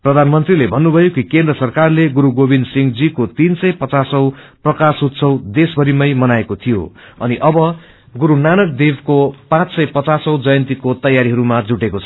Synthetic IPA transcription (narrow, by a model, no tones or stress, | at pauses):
prʌd̪ʱanmʌnt̪rilebʱʌnːubʱʌjokikẽnd̪rʌsʌrkarleɡuɾuɡobind̪siŋɡd͡zikot̪insʌjpʌt͡sasʌwprʌkasut̪sʰʌwd̪esbʱʌɾimʌjmʌnaekot̪ʰijo̰ | ʌ̰niʔʌbʌ | ɡuɾunanʌk̚d̪ebkopãt͡ssʌjpʌt͡sasʌwd͡zʌjʌnt̪ikot̪ʌjːaɾiɦʌɾumad͡zuʈekot͡sʰʌ